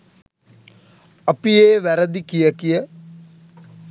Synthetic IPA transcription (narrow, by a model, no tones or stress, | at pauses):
ɐpieːʋæɾəd̪ikijəkijə